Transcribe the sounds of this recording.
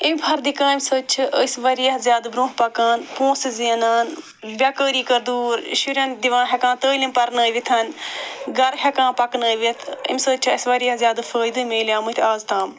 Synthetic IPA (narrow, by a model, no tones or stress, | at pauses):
imʲpʰɐɾd̪ikãːimʲsəːt͡ʃʰʔəsʋɐɾijɐɦzjaːd̪bɾõːɦpɐkaːnpõːsziːnaːn | bʲaːkəːɾiːkɐɾd̪uːɾʃuɾʲaːnd̪iʋãːɦʲɐkãːt̪əːlimpɐɾnəːjʋit̪ʰɐnɡɐɾɦʲɐkãːpɐknəːʋit̪ʰḭmsəːt͡ʃʰəsʋɐɾijɐzjaːd̪fʰəːjd̪ɨmeːlʲjaːmɨt̪ʰaːzt̪ãːm